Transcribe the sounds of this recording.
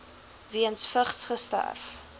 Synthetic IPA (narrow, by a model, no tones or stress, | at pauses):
viənsfəχsχəstæ̰rf